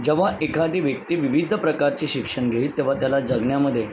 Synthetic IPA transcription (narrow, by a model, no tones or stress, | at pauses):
d͡zəʋ̤aekʰad̪iːʋjək̚t̪iːʋiʋid̪ʱəpɾəkaɾt͡ɕiːɕikʂəɳɡʱeiːlt̪eʋ̤at̪jalad͡zəɡɳjaməd̪ʱːje